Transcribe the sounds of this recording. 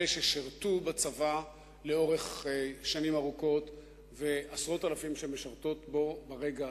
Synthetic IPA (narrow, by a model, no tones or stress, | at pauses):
eʃeʃiʁt̪ubat͡sava | leo̞ʁe̞χʃanimaʁuko̞t̪ | ve̞asʁo̞t̪alafimʃemeʃaʁt̪o̞t̪bo̞baʁe̞ɡa